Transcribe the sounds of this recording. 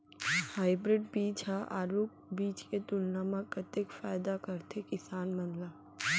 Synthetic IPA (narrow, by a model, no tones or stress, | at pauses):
haːɪbɾɪɖ̚biːt͡ʃɦaʔaːɾuːk̚biːt͡ʃket̪ʊlnaməkət̪ekfaːɪd̪akəɾt̪ʰekɪsaːnmɐnlaː